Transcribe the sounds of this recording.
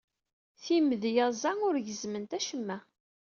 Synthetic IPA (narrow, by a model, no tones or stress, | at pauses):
θiməðjæzˤæŋʊɾʝəzmənt̪æʃəmːæ